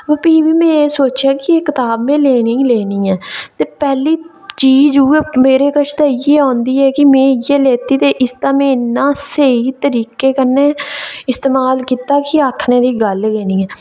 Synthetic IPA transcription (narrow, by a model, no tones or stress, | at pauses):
ʋəpiːʋiːmɛ̃ːeːsoːt͡ʃjaːkɪeːkɪt̪aːbmẽːleːnĩːleːnĩːɛːt̪eːpɛːliː | t͡ʃiːzuːeːmeːɾeːkəʃʰt̪aːijeːɔ̃ːnd̪iːɛːkɪmẽːjeːleːt̪iːt̪eːʔɪst̪ãːmẽːnːãːseiːt̪əɾiːkeːkəɾneːɪst̪eːmaːlkiːt̪aːkɪaːkʰnẽːd̪iːɡəlɡeːnĩːɛː